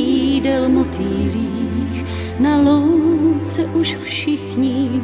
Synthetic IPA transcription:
idɛlmot̪iːliːx | nalowt͡sɛʔuʃfʃɪxɲɪ

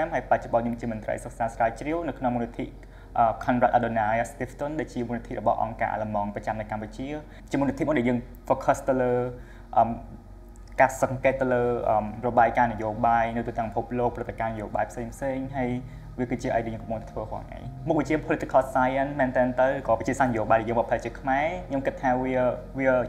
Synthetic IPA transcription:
amɦaːjpac̚t͡ɕoɓɑnɲoəmt͡ɕiəmʊnt̪rə̰jsək̚saːsraːjt͡ɕriəwnɨwkʰnoŋmuːnit̪ʰiʔ | ʔəːkʰɔnrat̪̚ʔaɗonaːast̪ift̪onɗaːlt͡ɕiəmunit̪ʰḭʔrɔɓɑ̰hʔɑ̰ŋka̰ːʔa̰ləmɑŋprɑt͡ɕamnɨwkamput͡ɕiə | t͡ɕiəmuːnit̪ʰiʔmuənɗæɛjəːŋ | fɔːkʰəst̪ɨwləː | ʔəːm | kaːsɑŋkeːt̪ːɨwləːʔəːmrɔɓaːjkaːnɨjoːɓaːjnɨwt̪uːht̪ɛ̆əpipʰup̚loːk̚prɨt̪ːekaːnɨjoːɓa̰ːjpʰseːŋpʰseːŋɦaj | ʋiəkɨːt̪t͡ɕiəʔa̰ːk̚ɗɛjəːŋkɑmpːoŋt̪ɛt̪ʰʋəːhŏə̰ŋʔa̰ːɲmuk̚ʋit͡ɕiəpʰolɨt̪ːekɑːlsaːjənmɛːnt̪ɛːnt̪ɨwrɨːkɑːpi̥t͡ɕiəsaːhnəjoːɓaːjɗæɛjəːŋmpɑpʰət̪̚t͡ɕiəkʰmaɛkʰɲomkɨt̪ʰːaːʋiə | ʋiə

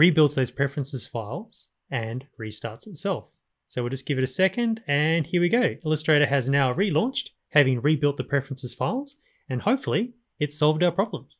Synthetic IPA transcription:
ɹibɪlˠtsðoʊz̥pʰɹ̥ɛfɹɨ̃nsɨz̥faɪlˠz̥ | ɨ̃nɹistɑɹtsɨtsɛlˠf | soʊwilˠd͡ʒʌsɡ̥ɪvɨɾɨsɛkɨ̃ndɨ̃nhiɹwiɡoʊɪlˠəstɹ̥eɪɾə˞ɨznaʊɹilɔ̃nt͡ʃt̚ | hævɪ̃ŋɹibɪlˠt̪̚ðəpʰɹ̥ɛfɹə̃nsɨz̥faɪlˠz̥ | ɨ̃nhoʊpfl̩ˠi | ɨtsɑlˠvdaʊəpɹ̥ɑblə̃mz̥

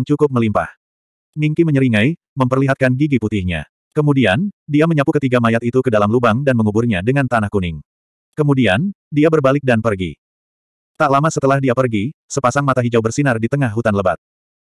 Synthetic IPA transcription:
ŋt͡ʃukʊp̚məlimpa̰h | miŋkiməɲəɾiŋaj | məmpərliɦat̪̚kanɡiɡiput̪ɪhɲa̰ | kəmudiandiaməɲapukət̪iɡamajat̪it̪ukədalamlubaŋdanməŋubʊrɲadəŋant̪anahkunɪŋ | kəmudian | diabərbalɪk̚danpərɡḭ | t̪aʔlamasət̪əlahdiapərɡisəpasaŋmat̪aɦid͡ʒawbərsinardit̪əŋahɦut̪anləba̰t̪̚

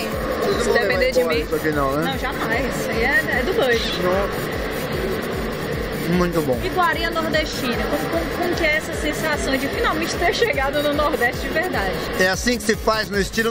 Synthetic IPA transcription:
sd̪epẽd̪ed͡ʒɪmet̪ofinawnɛɐ̃w̃ʒanɐ̃w̃ɛisʊaiɛɛd̪ʊd̪ojʃno | mũj̃t̪ʊbõɪɡwaɾĩɐnoɾd̪eʃt͡ʃĩnɐkokõkõʊkɪɛɛsɐsẽsasɐ̃w̃d͡ʒɪfinawmẽt͡ʃɪ̥t̪eɾʃeɡad̪ʊnʊnɔɾd̪ɛʃt͡ʃɪd͡ʒɪveɾd̪ad͡ʒɪɛasĩkɪ̥sɪfajznʊɪst͡ʃilʊ

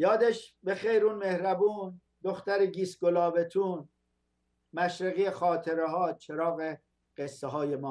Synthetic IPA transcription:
jɒːd̪eʃbexejɾuːnmehɾæbuːn | d̪oxt̪æɾeɡiːsɡolɒːbet̪ʰuːn | mæʃɾeɣijexɒːt̪ʰeɾeɦɒːt͡ʃʰeɾɒːɣe | ɢ̥esːeɦɒːjemɒː

